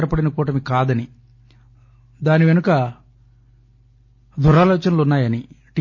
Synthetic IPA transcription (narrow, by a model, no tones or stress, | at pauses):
ɾɐpɐɽinɐkuːʈɐmikaːd̪ɐni | d̪aːniʋe̞nukɐ | d̪ʱuɾaːlɔːt͡ʃɐnɐlunːaːjɐni | ʈi